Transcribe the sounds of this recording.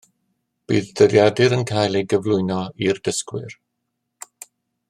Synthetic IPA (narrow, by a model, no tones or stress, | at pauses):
b̥ḭːðd̥əɾjadɨɾənkʰajlˠejɡəvlˠʊɨnɔirdəskwɪ̰r